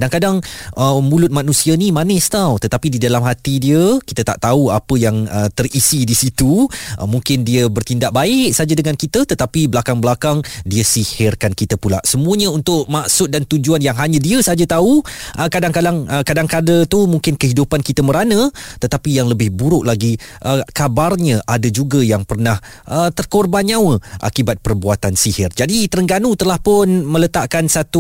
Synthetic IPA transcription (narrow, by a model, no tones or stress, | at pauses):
daŋkadaŋʔəmulʊt̪̚manũsianimanɪst̪awt̪ət̪apididalamɦat̪idiəkit̪ət̪a̰ʔt̪auapəjaŋət̪ərisidisit̪uʔəmuŋkɪndiəbərt̪indaʔ̚baɪksad͡ʒadəŋankit̪ət̪ət̪apibəlakaŋbəlakaŋdiəsihɪrkankit̪əpula̰ʔsəmuəɲə̃unt̪ʊʔ̚maʔsʊt̪̚dant̪ud͡ʒuanjaŋɦaɲãdiəsad͡ʒat̪auʔəkadaŋkadaŋəkadaŋkadət̪umuŋkɪnkəɦidupankit̪əməɾanə̃t̪ət̪apijaŋləbɪhbuɾʊʔlaɡiʔəkabarɲə̃ʔadəd͡ʒuɡəjaŋpərnah | ʔət̪ərkorbanɲãwəʔa̰kibat̪̚pərbuat̪ansihɪrd͡ʒadit̪əɾəŋɡanut̪əlahpʊnmələt̪aʔkansat̪u